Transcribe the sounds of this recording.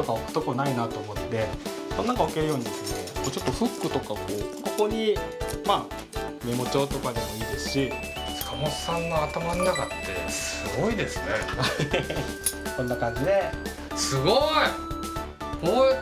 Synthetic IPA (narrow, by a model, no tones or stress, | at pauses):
t̪o̞kaokɯ̟̥t̪ːo̞konainat̪o̞ːmo̞t̪ːe̞ | kõnːaŋkaβake̞ɾɯ̟jo̞ːɲid̪esonekot͡ɕo̞t̪ːo̞ɸɯ̟kːɯ̟t̪o̞kakoːko̞ko̞ɲ̟ima | me̞mo̞t͡ɕo̞ːt̪o̞kad̪e̞mo̞iːd̪e̞sɨ̥ɕi | skʰamosãnːoat̪amannakat̪ːe̞sɨɡo̞id̪e̞sɨne̞ | kõ̞nːakãɲ̟d͡ʑid̪e̞ | sɨɡoi | koː